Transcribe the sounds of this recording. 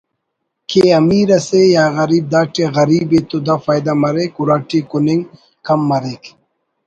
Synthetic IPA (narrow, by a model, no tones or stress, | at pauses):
kʰeːɐmiːɾɐsejaːɣɐɾiːb̚d̪aːʈeɣɐɾiːbet̪od̪afaːjd̪amɐɾekuɾaːʈikuniŋ | kɐmːɐɾek